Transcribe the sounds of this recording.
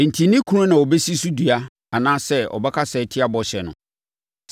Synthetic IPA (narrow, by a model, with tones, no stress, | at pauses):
n̩˨tʰi˨nĩ˦kʰu˦ɾʊ̃˦nã˨ɔ˨bɛ˦si˦su˦du˨a˦ | a˨nãː˦sɛ˦ɔ̰˨bɛ˦kʰa˦sɛː˨˦tʰɪ˦a˦bɔ˨ɕɛ˨nʊ̰̃˨